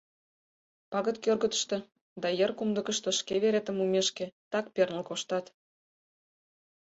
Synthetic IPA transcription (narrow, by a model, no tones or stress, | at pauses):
pɑɣə̆t̪kørɣə̆t̪ə̥ʃt̪ĕ | d̪ɑjə̆rkumd̪ə̆kə̆ʃt̪ə̆ʃkeβeɾet̪ə̆mumʲeʃkĕt̪ɑk̚pernə̆lkoʃt̪ɑt̪